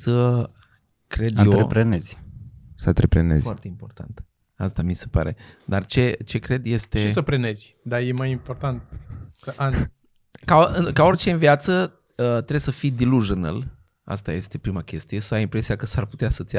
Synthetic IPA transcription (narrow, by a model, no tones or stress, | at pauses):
sə | kɾe̞d̪jot̪ɾepɾenez̥ʲsənt̪ɾepɾenezfart̪e̞impo̞rt̪ʰa̰nt̪ | ast̪amise̞pa̰ɾe̞d̪art͡ʃe̞t͡ʃe̞kɾe̞d̪je̞st̪esəpɾenezʲd̪aje̞majimpo̞rt̪ant̪̚səʔan | kaɨkao̞rʲt͡ʃe̞nviat̪sə | ət̪ɾebsəfijd̪iluʒnə̰l | a̰st̪a̰je̞st̪e̞pɾimakʲe̞st̪ije̞səajimpɾe̞sijakəsarput̪easət̪sʲ